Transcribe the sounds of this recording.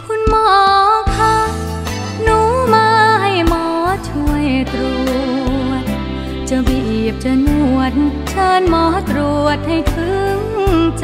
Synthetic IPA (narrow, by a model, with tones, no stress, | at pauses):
kʰu˧˥nmɔː˧˩kʰaː˧˥ | nuː˧˦maː˧˥ha˧˩jmɔː˧˦t͡ɕʰu˧əjt̪ɾu˨˩ət̪̚ | t͡ɕa˧˩bi˧˩ʔiː˨˩p̚t͡ɕa˧ɲu˧˩˧ət̪̚n | t͡ɕʰɤː˧nmɔː˧˦t̪ɾu˨˩ət̪̚ha˧˩jt̪ʰɯ˧˥ŋ